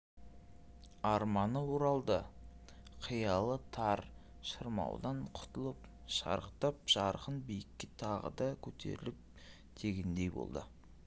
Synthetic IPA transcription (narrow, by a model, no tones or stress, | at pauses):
ɑɾmɑnəwoɾɑlˠd̪ə | qʰijɑlˠət̪ʰɑɾ | ʃəɾmɑ̰wd̪ɑɴqʰʊ̥t̪əlˠəp | ʃɑ̰ɾəqt̪ɑp̚ʒ̥ɑɾqənbijɪkʲːet̪ʰɑʁə̰d̪ɑkʲʰɵt̪ʰe̞̰ɾɪlɪp̚ | d̪̥ʰe̞ɡʲend̪e̞jbo̰lˠd̪ə